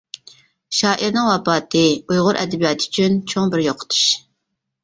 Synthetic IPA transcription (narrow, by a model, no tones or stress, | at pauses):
ʃɑːʔiɾnɨŋwɑpɑːt̪ʰɨujʁʊɾʔɛ̰d̪ɛbijɑːt̪ʰyt͡ʃʰynt͡ʃʰoŋbɪɾjoqʰə̥t̪ʰu̥ʃ